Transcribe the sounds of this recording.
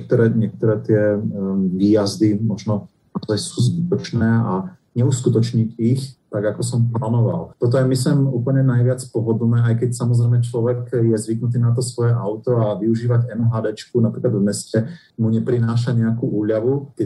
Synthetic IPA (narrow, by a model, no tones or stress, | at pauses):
ɛk̚t̪ɔɾɛːɲɛk̚t̪ɔɾɛːt̪ɪɛ | ʋiːjazd̪imɔʒnɔ | naɔzajsuːzbit̪ɔt͡ʃnɛːa | ɲɛuskut̪ɔt͡ʃɲicixt̪aɡakɔsɔmplaːnɔʋa̰lt̪ɔt̪̬ɔjɛmisɛmuːpl̩ɲɛnajʋɪat͡spɔɦɔd̪nɛːajkɛcsamɔzɾɛjmɛt͡ʃlɔʋɛkjɛzʋiknut̪̬iːnat̪ɔsʋɔjɛʔaʊt̪ɔaʋiuʒiːʋacɛnuɦad̪ɛt͡ʃkunapɾiːklad̪vmɛscɛ | muɲɛpɾinaːʃ̬aɲɛakuːʔuːʎaʋukɛ